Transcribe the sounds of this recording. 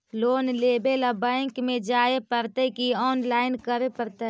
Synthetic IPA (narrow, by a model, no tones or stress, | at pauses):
loːnleːbelabɛ̃ːŋkmẽd͡ʒaːepəɾt̪ekiɔːnlaːɪnkəɾepəɾt̪e